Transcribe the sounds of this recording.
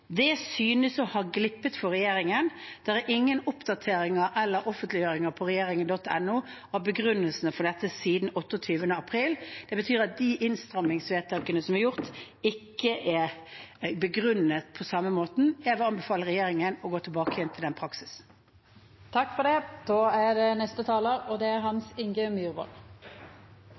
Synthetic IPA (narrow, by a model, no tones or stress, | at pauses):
d̪ɛsyːnəsɔhɑɡlɪpːət̪fɔʁɛjeːɾɪŋənd̪̥ɛʁɛɾʔɪŋːənʊpd̪ɑt̪ʰeːɾɪŋəʔɛlːəɾʔɔfənt̪lɪjøːɾɪŋəpʰɔʁɛjeːɾɪŋənd̪ɔt̪ːɛ̰nːuː | hɑːbəɡʁʉnːəlsənəfɔɖ̪ɛt̪ːəsiːd̪n̩ɔt̪ːɔt̪ʰyːʋənəɑpʰɾiːld̪̥ɛbət̪ʰyːɾɑt̪̚d̪iʔɪnst̪ɾɑmːɪŋsʋeːt̪t̪ʰɑŋkːənəsɔmæɾjʊʁt̪ | ɪkːəʔæ | bəɡʁʉnət̪pʰɔsɑmːəmoːt̪n̩jæʋəɑnbəfɑːləʁɛjeːɾɪŋənɔɡoːt̪ʰɪlbɑːkəjɛnt̪ʰɪld̪ɛnpʰɾɑksɪ̥s | t̪ʰɑkːfɔɖ̪ɛd̪̥oːæɖɛnɛst̪ət̪ʰɑːləɾɔd̪ɛæɾɦɑnsɪŋɡəmjʉːɾbɔ̰l